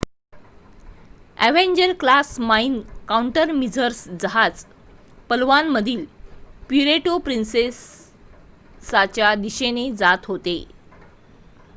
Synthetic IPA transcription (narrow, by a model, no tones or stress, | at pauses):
æʋeɲd͡ʑəɾklasmainkauɳʈəɾmid͡zəɾsd͡zaɦat͡s | pəlʋanməd̪ʱiːlpiɾeʈopɾinses | at͡ɕjad̪iɕened͡zat̪ɦot̪e